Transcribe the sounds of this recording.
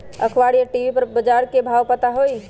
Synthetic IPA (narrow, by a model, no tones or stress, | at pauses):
ə̰kʰʋaɽijaʈiʋipəɾbəd͡ʒaɾkebʱawpət̪aɦoj